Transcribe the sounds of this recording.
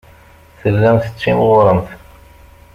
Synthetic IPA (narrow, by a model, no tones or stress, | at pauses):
θəlːæmθə̥t͡sːimʁʊɾˤəmθ